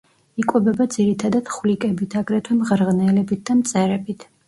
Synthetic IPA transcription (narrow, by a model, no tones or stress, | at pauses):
ikʼwɛbɛbad̪ziɾit̪ʰad̪ad̪̥χwlikʼɛbit̪ʰaɡɾɛt̪ʰwɛmʁɾʁnɛlɛbit̪̚d̪amt̪sʼɛɾɛbit̪ʰ